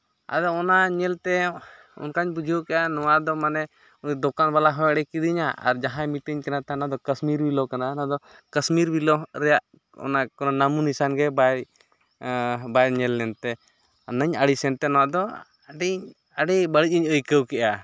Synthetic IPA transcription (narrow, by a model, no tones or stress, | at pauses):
a̰d̪ɔːnaɲɛlt̪ɛ | ṵnkaɲbud͡ʒʱiəwkɛʔanɔwad̪ɔmanɛ | uɲd̪ɔkanbalaɦɔjɽɛkid̪iɲaʔa̰ɾd͡ʒaɦãmit̪əɲkɛnat̪ɛnad̪ɔkəsmiɾbilɔkananad̪ɔ | kəsmiɾbilɔɾɛjaʔ | ɔ̰nakɔnanamunisanɡɛba | bajɲɛlːɛnt̪ɛ | nəɲəɽisɛnt̪ɛnɔwad̪ɔ | ɖiɲ | əɖibəɽic̚iɲəjkəwkɛʔa